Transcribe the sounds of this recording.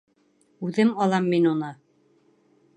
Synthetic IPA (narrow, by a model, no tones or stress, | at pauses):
ʉðɘmɑlˠɑmːinunɤ